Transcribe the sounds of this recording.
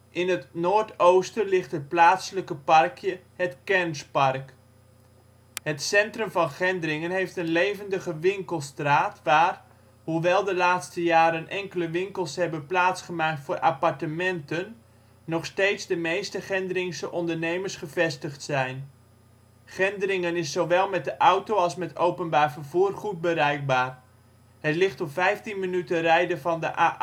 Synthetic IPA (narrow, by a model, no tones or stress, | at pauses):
ʔɪnɦətnoːɹtowstəlɪχtɦət̚plaːtsələkəpɑrkjə | ɦətkɛɹnspɑrk | ɦətsɛntrɵmvɑnχɛndrɪŋənɦejftənlejvəndəχəʋɪŋkəlˠstraːtʋaːr | huʋɛlˠdəlaːtstəjaːɾənʔɛŋkələʋɪŋkəlˠshɛbənplaːtsχəmaːk̚tfʊːɾʔapɑɹtəmɛntənː | ɔχstejtzdəmejstəχɛndərɪŋsəʔɔndəɹnejməɹsχəvɛstəχtsɛjn | χɪndəɾɪŋənɪsːoʋɛlˠmɛt̚dəʔawtowɑlˠsmɛtʰowpənbaːɹvərvuːrχut̚bəɾɛjk̚baːr | hətlɪχtɔpfɛjftinmənytərɛjdəvɑndəʔa